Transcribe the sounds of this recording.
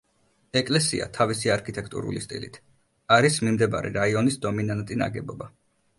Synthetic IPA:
ɛkʼlɛsia̰t̪ʰavisiaɾkʰit̪ʼɛkʰt̪ʼṵɾṵlist̪ʼḭlḭt̪ʰ | aɾismimd̪ɛba̰ɾɛ̰ɾaiɔnisd̪ɔminant̪ʼina̰ɡɛbɔba

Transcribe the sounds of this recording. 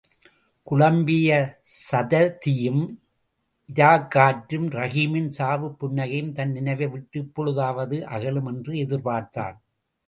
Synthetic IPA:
kʊɭɐmbɪjɐsɐðɐt̪ɪjɯm | ʔɪɾaːkːaːʈɾɯmɾɐɣiːmɪnsaːʋɯpːʊnːɐɣɐjɯmt̪ɐnnɪnɐɪʋɐɪʋɪʈːɯpːɔɻɯðaːʋɐðɯʔɐ̰ɣɐɭɯmɛndrɯɛðɪɾpaːɾt̪a̰ːn

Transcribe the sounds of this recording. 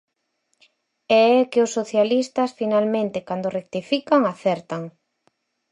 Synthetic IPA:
ɛɛkɪʊsːoθjalist̪ɐsfinalmẽnt̪ɪkand̪orek̚t̪ifikaŋaθɛɾt̪ɐŋ

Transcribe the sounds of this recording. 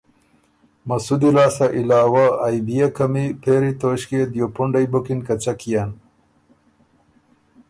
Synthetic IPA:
mɐsud̪ilaːsɐʔilaːwaːjbijakɐmipʰeːɾit̪oːɕked̪jopuɳɖɐjbokinkɐt͡ɕɐkijan

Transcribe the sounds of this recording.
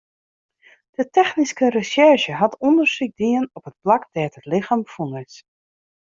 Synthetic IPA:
d̥ətɛxniskərəsɛɹʃəɦatɔndərsik̚diənɔpət̚plakd̥ɛːtətlɪxamfunɪs

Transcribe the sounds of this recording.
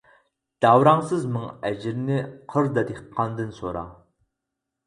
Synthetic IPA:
d̪̥ɑwɾɑŋsɨzmɨŋɛd͡ʒɪɾnɪqʰəɾd̪ɑd̪eqqʰːɑnd̪ɨnsoɾɑ̰

